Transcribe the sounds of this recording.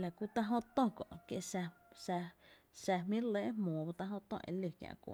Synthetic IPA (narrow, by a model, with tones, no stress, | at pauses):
la˨ku˧˦t̪a˦ɦõ˦t̪õ˦kɔ̰̃˨ʔkje˧ʔsa˧sa˧ | sɛ˧mĩ˦leː˦ʔmɔ̃ː˨ba˧t̪ã˧ɦõ˦t̪õ̰˧˨ʔḛ̃˧˨lu˧˨kjã̰˧ʔkʷo̰˨